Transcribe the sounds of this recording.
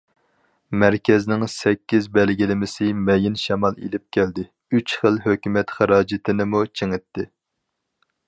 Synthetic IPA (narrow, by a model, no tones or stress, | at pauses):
mæɾkʲʰɛznɪŋsɛkʲːizbɛlɡʲilɪmɪsɪmɛjɪnʃɛmɑlˠḛlɪp̚kʲʰɛld̪ɪ | yt͡ʃχəlˠɦøkʲymɛt̪χɑɾɑːd͡ʒɪt̪ʰɪnɪmut͡ʃʰeŋɪt̪ʰːɪ